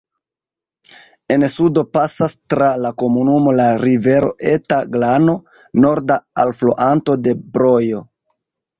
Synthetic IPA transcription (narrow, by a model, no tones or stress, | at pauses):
e̞nsudo̞pasastɾalako̞munumo̞laɾive̞ɾo̞̰ʔe̞taɡlano̞ | no̞ɾdaalflo̰ʔanto̞de̞bɾo̞jo̞